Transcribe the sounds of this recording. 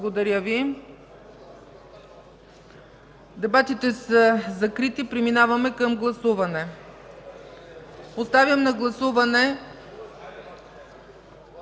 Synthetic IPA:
ɡod̪ɐɾʲəvi | d̪ɛbat̪it̪ɛsəzɐkɾit̪ipɾɛminavɐmɛkəmɡlˠɐsuvɐnɛ | post̪avʲjəmnɐɡlˠɐsuvɐnɛ

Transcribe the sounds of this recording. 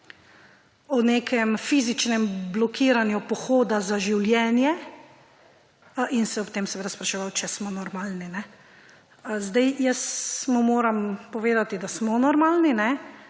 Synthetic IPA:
ɔneːkʰɛmfiːzit͡ʃnɛmblɔkʰiːɾanjupɔxoːd̪azaʒiwljɛːnjɛ | insɛɔpt̪eːmsɛʋeːd̪aspɾaʃɛʋawt͡ʃɛsmɔnɔɾmaːlninɛ | zd̪ajjəsmumoːɾampɔʋeːd̪at̪id̪asmɔnɔɾmaːlninɛ

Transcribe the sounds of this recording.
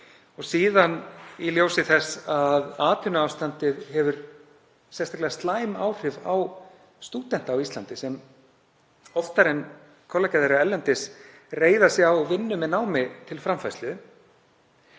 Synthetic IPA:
ɔɣsiːðaniljoːwsɪθɛsaðaːt̪ʰʏnʏaːwst̪ant̪ɪðhɛvʏɾ̥ | sɛnst̪aklɪðast̪laːjma̰ːwr̥ɪvaw | st̪uːt̪ɛn̥t̪awist̪lant̪ɪsɛm | ɔft̪aɾɛn | kʰɔlacaðeɾaɛlɛnt̪ɪs | reːjðasjawvɪnːʏmɛðnaːwmɪt̪ʰɪlfɾamfajst̪lʏ

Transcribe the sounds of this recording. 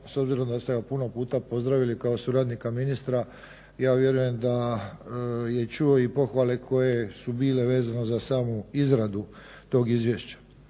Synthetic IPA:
so̞bziɾo̞md̪ast̪eɡapuno̞puːt̪apo̞zd̪ɾaʋilikao̞suɾaːd̪nikaminist̪ɾa | jaːʋje̞ɾuje̞md̪a | je̞t͡ʃuoipo̞xʋale̞kʰo̞je̞subiːle̞ʋe̞ːzano̞zasaːmuizɾad̪u | t̪o̞ːɡizʋjeʃt͡ɕḁ

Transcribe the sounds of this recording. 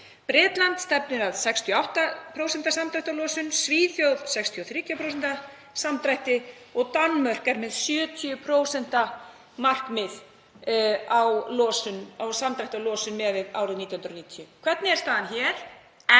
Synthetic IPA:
pɾɪːt̪lant̪st̪ɛp̚nɪɾaðsɛkst̪ʰjɔawht̪apʰɾowsɛnt̪asamt̪ɾajht̪alɔːsʏnsviːθjowðsɛkst̪ʰiɔθɾiːt̪ʰjapʰɾows̬ɛnt̪a | samt̪ɾajht̪ɪ | ɔɣt̪anmœr̥kɛɾmɛðsjœːt̪ʰiʏpʰɾoːwsɛn̥t̪a | mar̥kmɪð | awlɔːsʏnawsamt̪ɾajht̪alɔːsʏnmɛːvɪða̰ːwɾɪðniːt̪jahʏnɾniːt̪ʰjʏkʰvɛt̪nɪɛɾ̥st̪aːðançɛːɾ̥

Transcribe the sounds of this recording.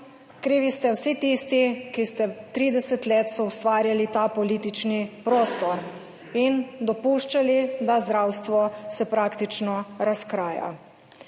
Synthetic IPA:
kɾiːʋist̪ɛwsit̪ist̪ikist̪ɛt̪ɾiːd̪ɛsɛt̪leːt̪sɔust̪ʋaːɾjalit̪apɔliːt̪it͡ʃnipɾoːst̪ɔɾ | ind̪ɔpuːʃt͡ʃalid̪azd̪ɾawst̪ʋɔsɛpɾaːkt̪it͡ʃnɔɾaskɾaːja̰

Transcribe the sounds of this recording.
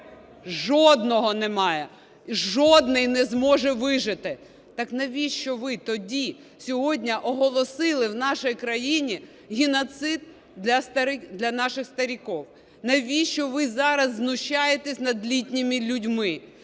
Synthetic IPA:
ʒɔd̪nɔɦɔnɛmɑjɛ | ʒɔd̪nɪjnɛzmɔʒɛʋɪʒɪt̪ɪ | t̪ɑknɐʋʲiʃt͡ʃɔʋɪt̪ɔdʲi | sʲɔɦɔdʲnʲɐʔɔɦɔlˠɔsɪlˠɪwnɑʃɛjkɾɐjinʲi | ɦʲɪnɔt̪sɪd̪̚ | dlʲɐst̪ɐɾɪd̪lʲɐnɑʃɪxst̪ɐɾʲikɔw | nɐʋʲiʃt͡ʃɔʋɪzɑɾɐzːnʊʃt͡ʃːɑjet̪esʲnɐd̪lʲitʲnʲimʲilʲʊdʲmɪ

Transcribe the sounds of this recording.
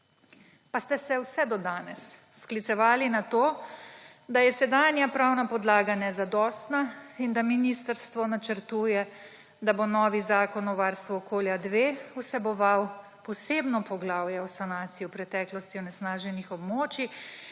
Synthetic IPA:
past̪ɛsɛwsɛd̪ɔd̪aːnɛsːklit̪sɛʋaːlinat̪oː | d̪ajɛsɛd̪aːnjapɾawnapɔd̪laːɡanɛzad̪ɔːst̪naind̪aminist̪əɾst̪ʋɔnat͡ʃəɾt̪uːjɛ | d̪abonɔːʋizaːkɔnɔʋaːɾst̪ʋuɔkoːljad̪ʋeːusɛbɔʋaw | pɔseːbnɔpɔɡlawjɛɔsanaːt̪siɔpɾɛt̪ɛklɔst̪iɔnɛsnaːʒɛnixɔbmoːt͡ʃi

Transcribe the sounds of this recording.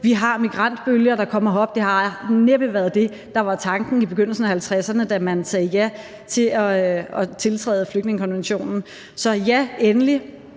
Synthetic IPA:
ʋiɦɑ̈miɡ̥ʁɑn̰d̥b̥øljɐɾ̥ɑ̈kʰɒ̽m̰ɐɒ̽b̥̚d̥e̝hɑ̈neb̥əʋæːɐðˠd̥e̝ | d̥ɑ̈ʋɑ̈t͡sʰɑ̈ŋɡ̥n̩ib̥eɡøn̰l̩sn̩æhælt͡sʰʁasɐnəd̥æmænsɛːjæ | t͡sʰe̝ɒɒ̽t͡sʰe̝lt͡sʰʁɛ̰ːð̩ˠfløɡ̥ne̝ŋəkʰɒ̽nʋenɕo̝̰ːnn̩ | sɒ̽jæenəli

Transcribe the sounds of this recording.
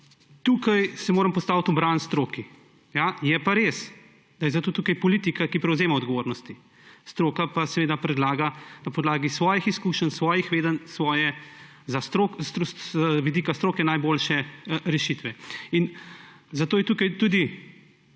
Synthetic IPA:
t̪uːkajsɛmoːɾəmpɔst̪aːwt̪ɔbɾanst̪ɾoːki | jajɛpaɾeːs | d̪ajɛzat̪oːt̪ukajpɔlit̪ikakipɾɛwzeːmaɔd̪ɡɔʋoːɾnɔst̪i | st̪ɾoːkapasɛʋeːd̪apɾɛd̪laːɡanapɔd̪laːɡisʋɔːjixiskuːʃənsʋɔːjixʋeːd̪ənsʋɔːjɛ | zast̪ɾok̪ | ʋid̪iːkast̪ɾoːkɛnajboːlʃɛɾɛʃit̪ʋɛin | zat̪oːjɛt̪uːkajt̪uːd̪i

